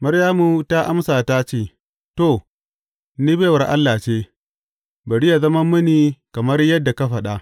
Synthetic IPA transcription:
mɐ˦ɾjaː˦mu˦ta˦ʔa˦msaː˨ta˦t͡ʃeː˦˨ | to˨ | niː˦beː˦˨wɐ˨rʔa̰˦lːa˨t͡ʃeː˦ | bɐ˨ɽɪ˦ja˨zɐ˦mɐ˦mːɐ˦ni˨kɐ˨mɐ˦rjɐ˦dːa˨ka˦ɸɐ˨ɗa˦

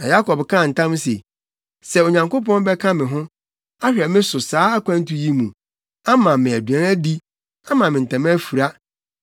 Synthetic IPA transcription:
nã˨ja˦kʰɔ˨bkʰã˦˨n̩˨tʰã˦m˦sḛ˨ | sɛ˦˨o˨ɲã˨ŋko˦pɔ̃˦n˦bɛ˦kʰã˦mɪ̃˨ɦʊ̃˦ | a˦ɕᶣɛ˨mɪ̃˦sʊ˨saː˨˦a˦kʷʰã˦n̩˦tʰu˦ji˦mũ˨ | a˦mã˨mɪ̃˨æ˨dɥæ̃˨˦æ˦di˦ | a˦mã˨mɪ̃˨n̩˨tʰã˨m̃˦æ˦fu˨ɾa˦

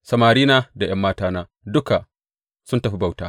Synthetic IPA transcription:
sɐ˨maː˨ɾiː˦naː˦da˨j̰ɐ˦mːaː˦taː˦naː˦ | dʊ˦ka˨ | sʊ˦ntɐ˨ɸi˦ba˦˨wtaː˦

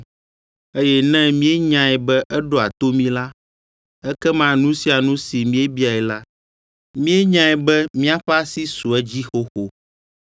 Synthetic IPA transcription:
e˦jɛ˦nɛ̃˦mĩ˦e˦ɲã˨ɛ˨bɛ˦ʔɛ˦ɖo˦a˨t̪o˦mĩ˦la˦ | ɛ˦kɛ˦mã˦nũ˦si˦a˨nũ˦si˨mĩ˦e˦bi˦a˨ɛ˨la˦ | mĩ˦e˦ɲã˦ɛ˨bɛ˦mĩ˦a˦ɸa˦si˦su˨ɛ˦d͡ʑi˦xo˦xo˨

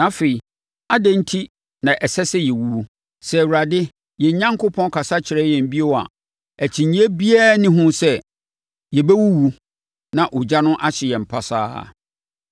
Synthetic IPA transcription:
nã˨˦fe˨i˨ | a˦dɛ̃˦n̩˦tʰi˦ | nã˨ʔɛ˨sɛ˦sɛ˦jɛ˨wu˦wu˦ | sɛ˦˨wu˨ɾa˨dɪ˦ | jɛ˨ɲ˦ɲã˦ŋkʰʊ˦pʰɔ̃˦n˦kʰa˨sa˦t͡ɕʰɪ˨ɾɛ˦jɛ̃˨m˦bi˦e˦wa̰˨ | æ˨t͡ɕʰĩ˨ɲ˦e˦bi˦a˦˨nɪ̃˦ɦʊ̃˦sɛ˦ | jɛ˨bɛ˦wu˦wu˦ | nã˨ʔʊ˨d͡ʑa˦nʊ̃˦ʔa˦ɕɪ˨jɛ˨m̩˨pʰa˦sa̰ː˦˨

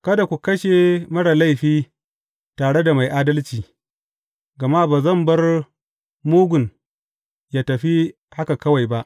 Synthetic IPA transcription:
kɐ˦da˨kʷu˨kɐ˦ʃe˨mɐ˦ɽa˨la˦˨jɸiː˦ | taː˨ɽe˦da˨ma˨jʔaː˦dɐ˦lt͡ʃiː˨ | ɡɐ˨ma˦baː˨zɐ˦˨mbɐ˦r | muː˦ɡʷʊ˨n | jaː˦tɐ˨ɸi˦ | ha˦ka˨kɐ˦wa˨jba˦ʔ

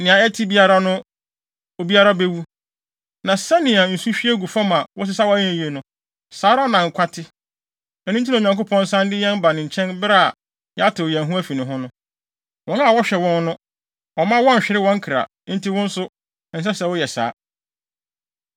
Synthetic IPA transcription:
nɪ̃˨ã˨ɛ˦tʰi˦bi˦a˦ɾa˦nʊ̃˦ | o˨bi˦a˦ɾa˦be˦wu˦ | nã˨sa˦nɪ̃˨a˨n̩˨su˦ɕᶣi˦e˦ɡu˨fa˦mã˨wɔ˦s̬ɪ˦sa˦wɔ˦ɛ̃˦˨je˨nʊ̃˨ | saː˨˦ɾa˦nã˨ŋ̩˨kʷʰa˦tʰɪ˦ | ɛ˨nũ˦n˦t̬ʰi˦nã˨ɲã˨ŋko˦pʰɔ̃˦n˦sã˦ndɪ˦jɛ̃˦n˦ba˨nɪ̃˨ɲ̩˨t͡ɕʰɛ̃˦nbɾa˦˨a˨ | jɛ˦a˦tʰɪ˨ɛ̃˨ɦũ˦æ˦fi˨nɪ̃˨ɦʊ̃˦nʊ̃˦ | wɔ̃˦n˦a˨wɔ˦ɕᶣɛ˨wɔ̃˦n˦nʊ̃˦ | ɔ˨mã˦wɔ̃˦n˨ɕᶣɪ˨ɾɪ˦wɔ̃˦ŋ̩˦kʰɪ˨ɾa̰˨˦n̩˦ti˦wʊ̃˦n̩˦sʊ˦˨ | n̩˨s̬ɛ˦sɛ˨wɔ˦jɛ˨sa̰ː˨˦

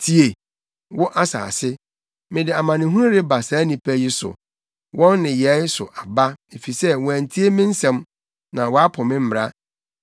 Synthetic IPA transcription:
tʰi˦e˨ | wʊ˦ʔa˦sa̰ː˨sɪ˦ | mɪ̃˨dɪ˨a˨mã˨nɪ̃˨ɦũ˦ɾɪ˦ba˨saː˨˦nĩ˨pʰæ˦ji˦sʊ̰˨ | wʔɔ̃˦nːɪ̃˨jɛ˨˦sʊ̰˨ʔa˨ba˦e˨fi˨sɛ˦w̃æ˨n̩˨tʰi˦e˦mɪ̃˦n̩˦sɛ̃˨m | nã˨wɔ˨˦a˦pʰʊ˨mɪ̃˦m̩˦m˨ɾa˦

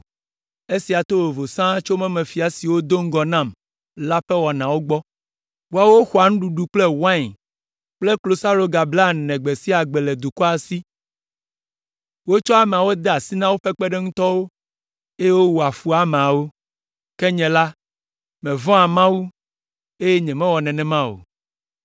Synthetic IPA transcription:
e˦si˨a˨t̪o˦wo˨vo˨sã˦t͡ʃo˦mɛ̃˦mɛ̃˨fi˨a˨si˨wo˦d̪o˦ŋ̩˦ɡɔ˨nã˦˨m | la˦ɸɛ˦wɔ˨nã˨wo˦ɡ͡bɔ˦ | wo˦a˨wo˦xu˨a˨ñ̩˦ɖu˨ɖu˨k͡plɛ˦wã˦˨ɲ˨ | k͡ple˦klo˨sa˦lo˨˦ɡa˨bla˦˨nɛ̃˨ɡ͡be˨si˦a˨ɡ͡bɛ˨lɛ˨d̪u˨kɔ˦a˨si˦ | wo˦t͡ʃɔ˦a˨mɛ̃˨a˨wo˦d̪ɛ˦a˨si˦nã˦wo˦ɸɛ˦k͡pɛ˦ɖɛ˦ŋũ˦t̪ɔ˦wo˦ | e˦je˦wo˦wo˨a˨fu˦a˨mẽ˨a˨wo˦ | kɛ˦ɲɛ̃˨la˦ | mɛ̃˨vɔ̃˦a˨mã˦wu˦ | e˦jɛ˦ɲɛ̃˨mɛ̃˦wɔ˨nɛ̃˨nɛ̃˨mã˦o̰˨

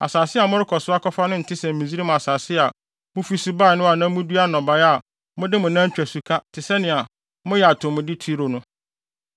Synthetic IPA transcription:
a̰˨saː˨sɪ˦a˨mʊ̃˦ɾɪ˦kʰɔ˨sʊ˦a˦kʰɔ˦fa˦nʊ̃˦n̩˨tʰɪ˦sɛ̃˨m̩˨ĩ˨zi˦ɾi˦mʊ̃˨a˨saː˨sɪ˦a˨ | mʊ̃˦fi˦si˦ba˦˨nʊ̃˦a˨nã˦mʊ̃˦du˦a˦nɔ̃˨ba˨ja˨ | mʊ̃˦dɪ˦mʊ̃˨nã˦t͡ɕᶣæ˨su˨kʰa˦tʰɪ˨sɛ˦nɪ̃˨a˨ | mʊ̃˦jɛ˨a˨tʰʊ̃˨mʊ̃˨dɪ˦tʰi˦ɾo˨nʊ̃˦

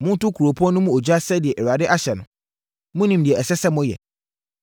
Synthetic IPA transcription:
mʊ̃˦n˦tʊ˦kʰu˨ɾo˨pʰu˦ɔ̃˦nʊ̃˦mũ˦o˨d͡ʑᶣa˦sɛ˦dɪ˨ɛ˨ʔɛ˨ɾa˨dɪ˦ʔa˦ɕɛ˨nʊ̃˨ | mʊ̃˦nĩ˨mdɪ˨ɛ˨ɛ˨sɛ˦sɛ˦mʊ̃˦jɛ̰˨

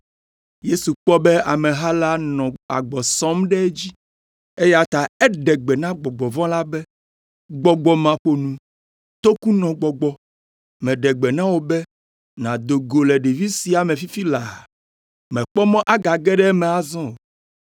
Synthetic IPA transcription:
je˦su˨k͡pɔ˦bɛ˦a˨mɛ̃˨ɦa˦la˦nɔ̃˨a̰˨ɡ͡bɔ˨sɔ̃˦mɖɛ˦d͡ʑi˦ | e˦ja˦t̪a˨ɛ˦ɖɛ˨ɡ͡bɛ˨nã˦ɡ͡bɔ˨ɡ͡bɔ˨vɔ̃˦la˦bɛ˦ | ɡ͡bɔ˨ɡ͡bɔ˨mã˨ɸo˨nũ˨ | t̪o˦ku˦nɔ̃˨ɡ͡bɔ˨ɡ͡bɔ˨ | mɛ̃˨ɖɛ˨ɡ͡bɛ˨nã˦wo˨bɛ˦ | nã˨d̪o˨ɡo˨lɛ˨ɖe˨vi˦si˨˦a˨mɛ̃˨fi˦fi˦la˨ | mɛ̃˨k͡pɔ˦mɔ̃˦ʔa˦ɡa˨ɡɛ˦ɖɛ˦mɛ̃˨a˨zɔ̃˦o˨

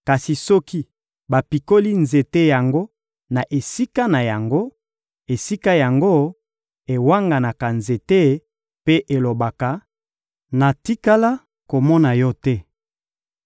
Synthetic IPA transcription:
ka˨si˨sɔ˦ki˦ | ba˨pi˨ko˦li˦nze˨te˦ja˨ŋɡo˦ | na˨ʔe˨si˦ka˦na˨ja˨ŋɡo˦ | e˨si˦ka˦ja˨ŋɡo˦ | e˨wa˦ŋɡa˨na˨ka˨nze˨te˦ | pe˦ʔe˨lo˨ba˨ka˨ | na˨ti˦ka˦la˦ | ko˨mɔ˦na˨jɔ˦tɛ˦

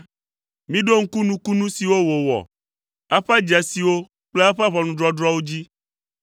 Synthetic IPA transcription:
mĩ˦ɖo˦ŋ̩˦ku˦nũ˦ku˦nũ˦si˨wo˦wo˨wɔ̰˨ | a˦ɸa˦d͡ʒa˨si˨wo˦ | k͡ple˦a˦ɸa˦βɔ˨nũ˦ɖɾɔ˦ɖɾɔ˦wo˦d͡ʑi˦

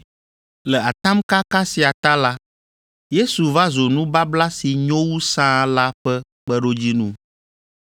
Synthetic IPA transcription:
lɛ˨a˨t̪ã˦mka˦ka˦si˨a˨t̪a˦la˦ | je˦su˨va˦zo˨nũ˦ba˦bla˦si˨ɲɔ̃˦wu˦sã˦la˦ɸɛ˦ | k͡pɛ˦ɖo˦d͡ʑi˦nũ˦

